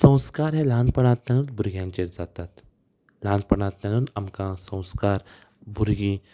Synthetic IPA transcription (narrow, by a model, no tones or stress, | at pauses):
sə̃w̃skaɾɦẽlãnpəɽ̃ãt̪nanũːd̪bʱuɾɡjãɲt͡ɕeɾd͡zat̪at̪ | lãnpəɽ̃ãt̪nanũnamkãsə̃w̃skaɾ | bʱuɾɡĩ